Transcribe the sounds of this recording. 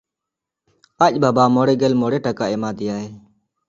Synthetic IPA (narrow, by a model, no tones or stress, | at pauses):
aːʄbaːbaːmoːɽeːɡəlmoːɽeːʈəkaːeːmaːd̪ɪjaːɦeː